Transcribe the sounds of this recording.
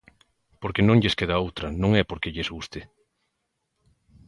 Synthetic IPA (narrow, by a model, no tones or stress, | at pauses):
poɾkenõŋʎeskeðaowt̪ɾɐnõŋɛpoɾkeʎezɣust̪ɪ